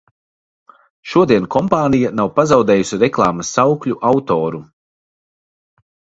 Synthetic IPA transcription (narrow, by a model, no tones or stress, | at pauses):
ʃuɔd̪iɛnkʰɔmpaːnijanawpazawd̪ɛːjusʲiɾɛklˠaːmɐsːawklʲuʔawt̪ɔːɾu